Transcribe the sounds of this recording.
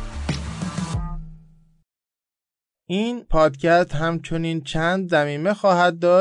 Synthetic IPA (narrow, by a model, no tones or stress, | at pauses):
ʔiːnpʰɒːd̪cʰæst̪ɦæmt͡ʃʰo̞niːnt͡ʃʰæːnd̪zæmiːme̞xɒːhæd̪̚ːɒː